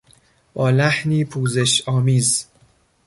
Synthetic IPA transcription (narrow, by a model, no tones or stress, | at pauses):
b̥ɒːlæhniːpʰuːze̞ʃɒːmiːz